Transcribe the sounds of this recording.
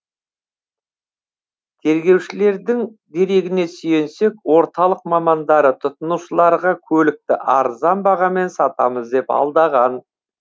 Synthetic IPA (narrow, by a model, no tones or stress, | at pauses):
t̪ʰe̞ɾɡʲe̞wʃɪle̞ɾd̪ɪŋd̪e̞ɾe̞ɡʲɪne̞sʏje̞nse̞kwo̞ɾt̪ɑlˠəqmɑmɑnd̪ɑɾət̪ʰʊt̪ənuʃəlˠɑɾʁɑkʲʰɵlɪk̚t̪ɪʔɑɾzɑnbɑʁɑme̞nsɑt̪ɑ̰məzd̪e̞pɑ̰lˠd̪ɑʁɑn